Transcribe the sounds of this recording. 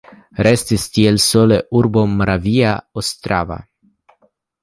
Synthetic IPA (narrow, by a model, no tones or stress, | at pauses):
ɾest̪ist̪ielsoleʔuɾbomɾʔaviaost̪ɾa̰va̰